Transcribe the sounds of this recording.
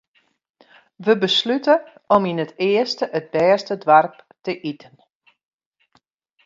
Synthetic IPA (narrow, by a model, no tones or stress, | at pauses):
ʋəbəslytəɔminətɪəstəʔət̚bɛːstədʋarptəʔitʰən